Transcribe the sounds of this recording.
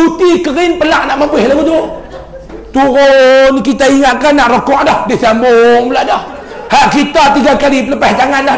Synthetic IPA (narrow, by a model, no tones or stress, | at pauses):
ut̪ikəɾɪnpəlaʔnaʔmabɪhlaɡut̪u | t̪uɾʊnkit̪aiŋat̪̚kanaʔɾokɔʔdɔhdesambʊŋbəlaʔdɔh | haʔkit̪at̪iɡakalipələpasd͡ʒaŋanda